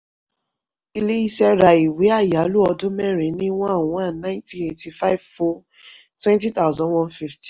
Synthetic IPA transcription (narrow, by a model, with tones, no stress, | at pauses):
i˧le˦i˦ʃɛ˦ɾa˧i˨we˨˦a˦˨ja˨˦lu˦ɔ˧dũ˦mɛ˦˨ɾ̃ẽ˨˦nĩ˦wã˦a˦˨wɔ̃˦a˦˨nã˦ntĩ˦e˧ti˧fa˦i˦vfɔ˦ | twɛ̃˦nti˦t̪a˦˨zã˦nwɔ̃˦nfi˦fti˨